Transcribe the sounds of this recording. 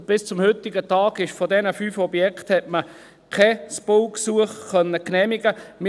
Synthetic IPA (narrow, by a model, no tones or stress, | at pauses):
b̥ɪst͡sʊmhʏtɪɡətɑːɡɪʃfɔdɛnəfyːfɔbjɛkthɛtmə | kʰɛspolksuəχkːœnːəknɛːmɪɡəmɪ